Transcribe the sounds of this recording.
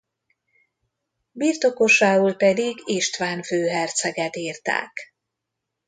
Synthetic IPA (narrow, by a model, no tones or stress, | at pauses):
biːrt̪o̞ko̞ʃaːuːlpɛd̪iɡiʃt̪ʋaːnføːɦɛrt̪sɛɡɛt̪iːrt̪a̰ːk